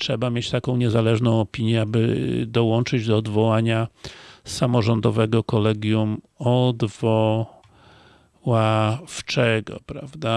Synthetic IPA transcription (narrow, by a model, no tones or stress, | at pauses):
tʂɛbamʲjet͡ɕt̪akɔ̃w̃ɲɛzalɛʐnɔ̃w̃ɔpʲiɲjɛabɘ̰d̪ɔwɔnt͡ʂɘd͡ʑd̪ɔːd̪vɔwaɲa | samɔʐɔnd̪ɔvɛɡɔkɔlɛɡʲjumɔd̪vɔ | waft͡ʂɛɡɔ̰pɾavd̪a